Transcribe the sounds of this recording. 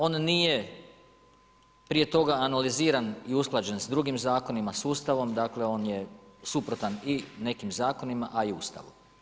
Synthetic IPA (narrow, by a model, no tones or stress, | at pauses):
o̞ːnːije̞ | pɾije̞t̪o̞ɡaːnaliziːɾaniusklˠad͡ʒensd̪ɾuɡimzaːko̞nimasuːst̪aʋo̞md̪aːkle̞o̞ːnje̞supɾo̞t̪anine̞kimzaːko̞nimaʔaiuːst̪a̰ʋṵ